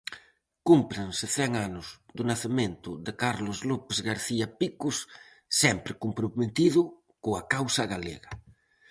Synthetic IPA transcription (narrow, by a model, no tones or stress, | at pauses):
kumpɾensɪθɛŋanʊsd̪ʊnaθemẽnt̪ʊðekaɾlozlupezɣaɾθiapikʊsː | ɛmpɾɪkumpɾumet̪iðʊ | koakawsaɣalḛɣa